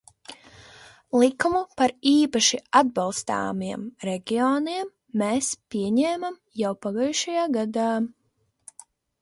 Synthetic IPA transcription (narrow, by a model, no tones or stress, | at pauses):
lˠikumupaɾiːpaʃiad̪̚balˠst̪a̰ːmiɛmɾeɡʲioːniɛmː | eːspʲiɛɲɛːmam | jawpaɡaːjʃajaːɡad̪aː